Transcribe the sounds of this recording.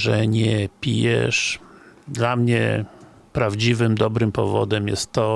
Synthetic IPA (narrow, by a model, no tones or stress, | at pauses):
ʐɛɲɛpʲḭjɛ̰ʂd̪lamɲɛ̰ | pɾavd͡ʑivɘmd̪ɔbɾɘmpɔvɔ̰d̪ɛmjɛ̰st̪ːɔ